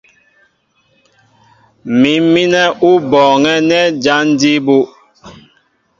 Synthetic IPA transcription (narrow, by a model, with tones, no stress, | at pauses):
mi˨˦mmi˦nɛ˦ʔu˦bɔː˨ŋɛ˦nɛ˦d͡ʒa˦n˦di˦bu˦